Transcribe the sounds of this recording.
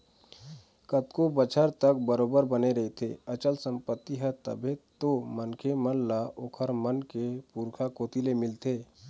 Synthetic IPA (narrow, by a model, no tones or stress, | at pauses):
kət̪kobət͡ʃʰəɾt̪ək̚bəɾoːbəɾbəneɾɐɦet̪ʰḛːət͡ʃəlsə̃mpət̪ːiɦɛt̪ə̰bʱet̪omənkʰemənlaʔoːkʰəɾmənkepuːɾkʰakoːt̪ilemɪlt̪ʰeː